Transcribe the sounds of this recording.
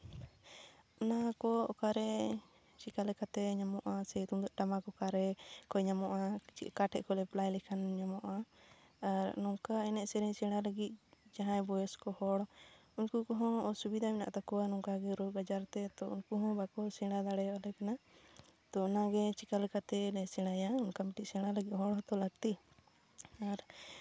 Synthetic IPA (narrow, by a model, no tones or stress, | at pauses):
ɔnakɔɔkaɾɛ | t͡ʃikalɛkat̪ɛɲamɔʔasɛt̪umd̪ɔʔʈamakɔkaɾɛkɔɲamɔʔat͡ʃiʔkaʈʰɛʔkɔlɛplajlɛkʰanɲamɔʔaaɾnɔŋkaɛnɛʔsɛɾɛɲsɛ̃ɽaləɡit̪̚d͡ʒaɦãjbɔjɔskɔhɔɽunkukɔɦɔ̃ɔsubid̪ʱamɛna̰ʔt̪akɔwanɔŋkaɡɛɾubad͡ʒaɾt̪ɛt̪ɔṵnkuɦɔ̃bakɔsɛɽ̃ad̪aɽɛjaʔalɛkanat̪ɔɔnaɡɛt͡ʃikalkat̪ɛnɛsɛ̃ɽ̃ajaunkamiʈiʔsɛ̃ɽ̃aləɡit̪̚ɦɔɽɦɔ̃t̪ɔləɡ̚t̪i | aɾ